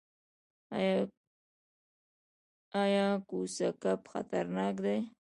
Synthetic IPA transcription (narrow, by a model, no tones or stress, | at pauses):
ajɑkusakapxa̰t̪aɾnɑk̬d̪e